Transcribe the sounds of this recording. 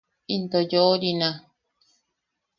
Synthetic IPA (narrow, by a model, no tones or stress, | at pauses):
int̪ojooɾinã